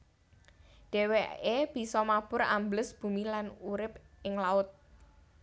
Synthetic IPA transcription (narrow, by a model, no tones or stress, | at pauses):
ɖ̥ɛ̤weeb̥i̤sɔmab̥ʊɾa̰mbləsb̥ṳmilanuɾɪp̚ | ɪŋlaʊt̪̚